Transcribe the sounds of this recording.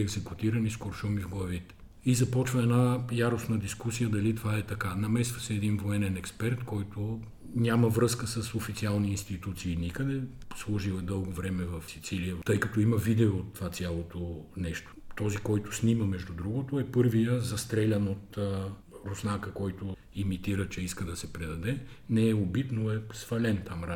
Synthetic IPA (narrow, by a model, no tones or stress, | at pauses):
ɛɡzɛkut̪iɾɐniskoɾʃumivɡlˠɐvit̪ɛ̥ | izɐpɔt͡ʃvəɛnajaɾosnəd̪iskusijəd̪ɐlit̪ovaɛt̪ɐkanɐmɛsvɐsɛːd̪invoɛnɛnɛkspɛɾt̪kɔjt̪ʊ | nʲaməvɾɤskəsəsofit̪sialˠniːnst̪it̪ut̪siːnikəd̪ɛslˠɔʒilɛd̪ɤlˠɡovɾɛmɛvɐfsit̪silijət̪ɤjkɐt̪ɔiməvid̪ɛoːt̪ːovat̪sʲjalˠot̪onɛʃt̪o̥t̪ɔzikɔjt̪ʊ̥sniməmɛʒd̪ud̪ɾuɡot̪oɛpɤɾvijəzɐst̪ɾɛlʲɐnot̪ː | ɾosnakəkɔjt̪o | imit̪iɾət͡ʃɛiskəd̪ɐsɛpɾɛd̪ɐd̪ɛ | nɛɛobit̪noɛsvɐlɛnt̪amɾa